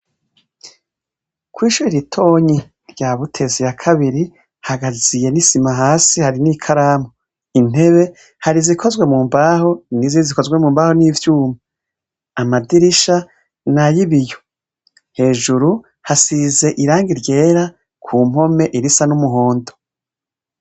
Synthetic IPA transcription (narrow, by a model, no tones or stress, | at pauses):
kwiːʃuɾiɾitʰo̞ːɲi | ɾɟaːβutʰe̞zijakʰaβiɾi | haɡazije̞nisimaɦaːsihaɾinikʰaɾamo | in̥e̞βe̞ | haɾizikʰo̞zɡwe̞muːmbaho̞niziziko̞zɡwe̞muːmbaho̞nivjuːmaː | madiɾiʃa | najiβijo | he̞ːʒuɾu | hasize̞ʔiɾaːŋɡiɾɟe̞ːɾa | kʰuːm̥ho̞me̞ʔiɾisanumuɦo̞ːndo